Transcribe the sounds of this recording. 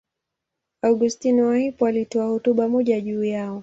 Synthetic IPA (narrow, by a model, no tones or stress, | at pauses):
aɡustiniwahipɔalitɔahɔtuɓamɔʄaʄuːjaɔ